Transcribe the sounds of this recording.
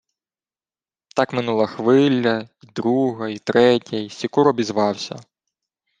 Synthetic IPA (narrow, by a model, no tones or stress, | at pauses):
t̪ɑkmɪnulˠɐxʋɪlʲːɐid̪ɾuɦɐit̪ɾɛtʲɐisʲikuɾɔbʲizʋɑwsʲɐ̰